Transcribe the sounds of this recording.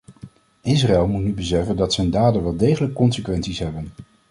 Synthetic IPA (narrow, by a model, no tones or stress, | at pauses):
ɪsraɛlˠmutnybəsɛfəndɑtsɛjndaːdənʋɛlˠdejχələkːɔnsəkʋɛntsisɦɛbən